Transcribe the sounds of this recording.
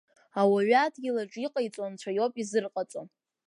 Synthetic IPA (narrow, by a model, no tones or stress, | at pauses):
awaɥatʰʼɡʲilaʈ͡ʂʼiqʼajt͡sʷʼant͡ɕʷʰajo̞pʼizɨrqʼat͡sʷʼon